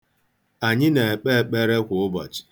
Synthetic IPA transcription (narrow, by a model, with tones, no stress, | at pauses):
a˨ɲɪ˦ne˨e˨k͡pe˦e˨k͡pe˦ɾe˦kʷʊ˨ʊ˦bɔ̰˨t͡ʃi̥˨